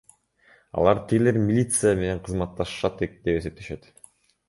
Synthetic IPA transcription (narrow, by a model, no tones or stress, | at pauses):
ɑ̰lˠɑɾt̪ʰiɡle̞ɾmʲilʲit̪sɨjame̞ne̞ɴqʰɯzmɑt̪ːɑʃʃɑt̪ed̪e̞pese̞p̚t̪e̞ʃe̞t̪